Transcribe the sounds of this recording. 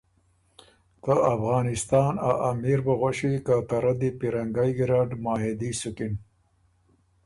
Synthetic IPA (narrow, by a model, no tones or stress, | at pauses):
t̪əafɣɑːnɪst̪ɑːnaʔamiɾbɐɣaʃikat̪aɾad̪ipiɾaŋɡajɡɾaːɖmaːɦed̪isukin